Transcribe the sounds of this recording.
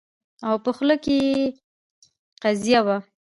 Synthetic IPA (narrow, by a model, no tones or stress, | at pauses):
awpəxləkeje | qazijawa